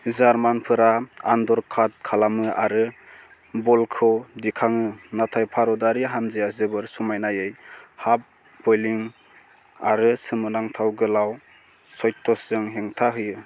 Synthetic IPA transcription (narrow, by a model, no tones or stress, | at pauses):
zaɾmanpʰɯɾaa̰ndɔɾkʰat̚kʰalamɯaɾɯ | bɔlkʰɯwdikʰaŋɯnatʰajpʰaɾɔdaɾiɦanzejazɯbɯɾsumajnajɯjhap̚ | bɔjliŋ | aɾɯsɯmɯnaŋtʰawɡɯlaw | sɔjtʰːɔsɯŋɦeŋtʰaɦɯjɯ